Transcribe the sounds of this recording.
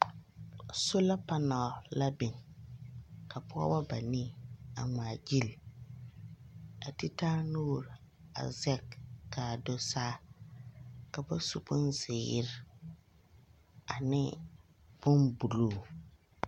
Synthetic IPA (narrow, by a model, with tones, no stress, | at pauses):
so˦la˦pa˦na˨la˦bɪ˨ŋ | ka˨pʊ˦a̰˦wa˦ba˨niː˦a̰˨ŋa˨d͡ʒi˦l | a˨ti˦taː˦nuː˦˨ɾ | a̰˨zɛ˦kːaː˨do˦saː˦ | ka˨ba˦su˨bʊ˦nzɪ˨jɪ̰˦ɾɪ˦ | a˨nɪ˦ | bʊ˦nbu˨luː˦˨